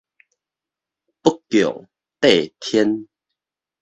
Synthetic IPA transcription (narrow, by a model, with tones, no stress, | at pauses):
pə˦kːjɔ˨˩˨ŋ | t̪e˥˨t̪ʰjɛ˦n